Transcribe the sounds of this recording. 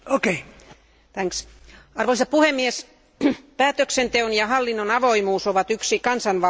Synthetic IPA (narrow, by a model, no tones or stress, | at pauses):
okei | t̪æŋks | ɑrʋoisɑt̚puhemːies | pæːt̪øksent̪eonjɑhɑlːinːonɑʋoimuːsoʋɑt̪yksikɑnsɑnʋɑ